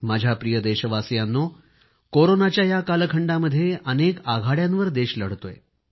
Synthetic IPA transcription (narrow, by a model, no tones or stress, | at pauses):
mad͡ʑʱjapɾijəd̪eɕəʋasjanːo | koɾonat͡ɕjajakalkʰəɳɖaməd̪ʱːjeʔənekaɡʱaɽjãnʋəɾd̪eɕləɽt̪oj